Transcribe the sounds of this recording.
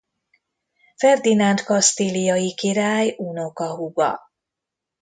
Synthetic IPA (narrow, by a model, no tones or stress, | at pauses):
fɛrd̪inɒnt̪kɒst̪ilijɒjikiɾaːjunokɒɦuɡɒ̰